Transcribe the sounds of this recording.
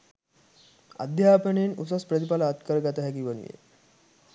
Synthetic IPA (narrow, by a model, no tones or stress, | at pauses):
a̰d̪jaːpənejenusaspɾət̪ipaləːt̪kəɾəɡat̪əɦækiʋənṵjḛ